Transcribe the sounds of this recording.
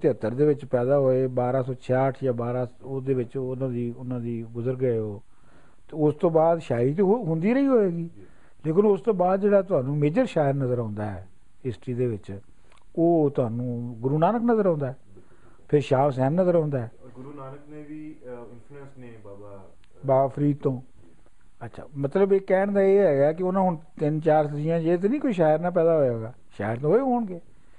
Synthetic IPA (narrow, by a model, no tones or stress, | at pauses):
t̪ɪət̪ːəɾd̪eːʋɪt͡ʃpɛːd̪aːɦoːeːbaːɾaːsɔːt͡ʃʰaːʈʰjãːbaːɾaːod̪eːʋɪt͡ʃnãːd̪iːʊnãːd̪iːɡʊzəɾɡəeɦoː | t̪eʊst̪õːbaːd̪ʃaːɪɾiːt̪̬eːɦʊ̃nd̪iːɾəiːɦoːeːɡiː | leːkɪnʊst̪õːbaːd̪̚d͡ʒeːɽaːt̪̬ʊɦãːnũːmeːd͡ʒəɾʃaːjəɾnəzəɾãːnd̪aːɛ̰ː | ɪsʈɾiːd̪eːʋɪt͡ʃ | oːt̪ʊɦaːnũːɡʊɾuːnaːnəknəzəɾãːnd̪aːɦɛː | pʰɪɾʃaːʋs̬ɛ̃ːnnəzəɾãːnd̪aːɛː | ɡuːnəkneʋiːnː | sne | baːpʰəɾiːd̪̚t̪õː | ətːʃʰa̰ːmət̪ləbekːɛːɳd̪aːeːɦɛːɡaːkɪonãːɦʊɳt̪ɪnt͡ʃaːɾsəd͡ʒ̪ijãːd͡ʒeːt̪̬enĩːkoiːʃaːjəɾnãːp̬ɛːd̪aːɦoːaːɡaː | ʃa̰ːjəɾt̪õːoeɦoːɳɡeː